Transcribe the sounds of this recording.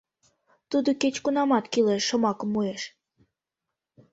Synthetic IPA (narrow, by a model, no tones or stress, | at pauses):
t̪ud̪oket͡ɕkunɑmɑt̪kileʃːə̆mɑkəmːueʃ